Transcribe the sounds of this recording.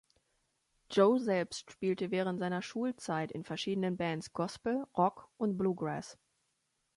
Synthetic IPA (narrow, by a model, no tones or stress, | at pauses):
d͡ʒoːzɛlpstʃpiːltəvɛːʁ̞əntz̥aɪnɐʃuːlt͡saɪtɪ̰nfɛɐʃiːdənənbɛntsɡ̥ɔspl̩ʁɔkʊntb̥luːɡʁɛs